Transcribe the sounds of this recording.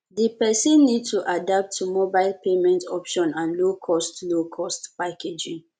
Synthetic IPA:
dipɛsɛ̃nːid̚tuʔadap̚tʰːumobaɪlpemɛ̃ntʰɔpʃɔ̃nãnlokʰɔstlokʰɔstpaked͡ʒĩŋ

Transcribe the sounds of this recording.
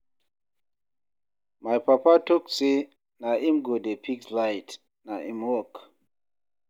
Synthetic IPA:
majpapatokse | naimɡodepʰikslajt | naʔḭmwɔk

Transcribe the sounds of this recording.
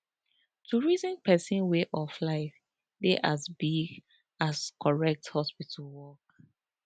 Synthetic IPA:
tʰuɹizɛ̃npʰɛsĩnweʔɔflaɪf | deʔazbiɡ | askʰɔɹɛk̚thɔspitʰalwɔk

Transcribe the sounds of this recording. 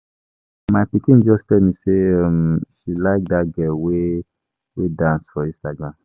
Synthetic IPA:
majpikĩnd͡ʒɔstɛlmĩseamʃilaɪk̚daɡɛwe | wedãnsfɔĩstaɡɹãm

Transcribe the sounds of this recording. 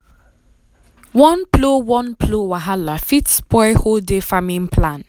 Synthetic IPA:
wɔ̃nplowɔ̃npʰlowaɦalafitsbɔɪholdefamĩnpʰlãn

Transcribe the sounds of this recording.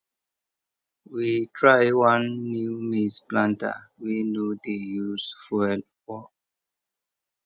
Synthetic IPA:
witʰɹajwãnːumisplãnta̰winodejusfuɛl | wɔ

